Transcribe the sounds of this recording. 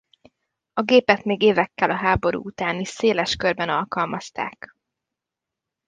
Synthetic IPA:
ɒɡeːpɛt̪meːɡeːvɛkːɛlɒɦaːbo̞ɾṵːut̪aːniʃseːlɛʃkørbɛnɒlkɒlmɒst̪a̰ːk

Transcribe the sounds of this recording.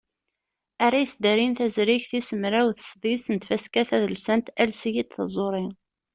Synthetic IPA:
æɾæjəsd̪əɾinθæzɾiçθisəmɾæwθə̥sðˤisənt̪fæskæθæðəlsænt̪ælsjit̪θə̰zˤoɾˤɪ

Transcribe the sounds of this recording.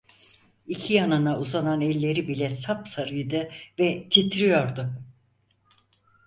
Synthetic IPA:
icʰijanɯnauzananɛlʲːe̞ɾibilʲɛsapsaɾɯjd̪ɯvɛt̪ʰit̪ʰɾijoɾd̪ʊ

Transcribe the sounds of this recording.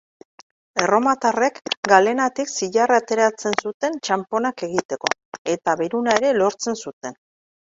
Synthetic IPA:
e̞ro̞mat̪are̞kɡale̞nat̪iksiʎarat̪e̞ɾat͡se̞nsut̪e̞nt͡ʃampo̞nake̞ɣit̪e̞ko̞̰e̞t̪aβeɾunaeɾe̞lo̞ɾt͡se̞nsut̪e̞n

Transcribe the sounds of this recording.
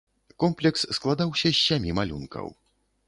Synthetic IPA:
kɔmplʲɛksːklˠad̪awsʲɐsʲːamʲimalʲṵnkɐ̰w

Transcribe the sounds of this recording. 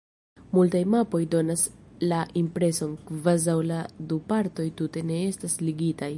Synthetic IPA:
multajmapo̞jdo̞naslaʔimpɾe̞so̞nkvazawladupaɾto̞jtute̞ne̞e̞stasliɡitaj

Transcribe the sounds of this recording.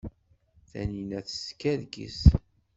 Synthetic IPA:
θæ̰ninæθə̥skæðɡḭs

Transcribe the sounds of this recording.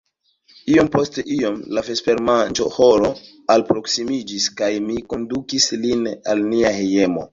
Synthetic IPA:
io̞mpo̞ste̞ʔio̞mlafespe̞ɾmand͡ʒo̞̰hoɾo̞ | alpɾo̞ksimid͡ʒiskajmiko̞ndukislina̰lniaheje̞mo̰

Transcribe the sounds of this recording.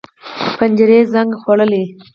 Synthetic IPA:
pand͡ʒɪɾezaŋɡxwaɽəle

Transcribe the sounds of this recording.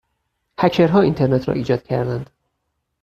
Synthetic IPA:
hæcʰeɾɦɒːint̪ʰeɾnet̪ʰɾɒ̰ːʔiːd͡ʒɒːd̪cʰæɾd̪ænd̪

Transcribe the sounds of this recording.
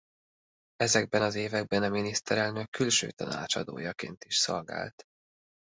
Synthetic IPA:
ɛzɛɡ̚bɛnɒzeːvɛɡ̚bɛnɒminist̪ɛɾɛlnøkːylʃø̰ːt̪ɒnaːt͡ʃɒd̪o̰ːjɒkḛːnt̪iʃso̞lɡa̰ːlt̪

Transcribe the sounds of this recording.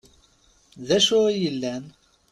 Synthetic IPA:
ðæʃʊʁijəlːæn

